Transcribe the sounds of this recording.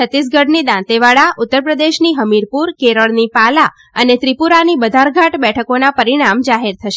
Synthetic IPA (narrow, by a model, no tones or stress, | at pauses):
ət̪is̬ɡəɽnid̪ãt̪eʋaɭaʔut̪ːəɾpɾəd̪eʃniɦəmiɾpuɾkeɾəɭnipala | ənet̪ɾipuɾanibəd̪ʱaɾɡʱaʈbɛʈʰəkonapəɾiɽ̃amd͡ʒaɦeɾt̪ʰəʃe